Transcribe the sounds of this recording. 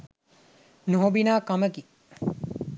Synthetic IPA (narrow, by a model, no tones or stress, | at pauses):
noɦobinaːkɐməɡi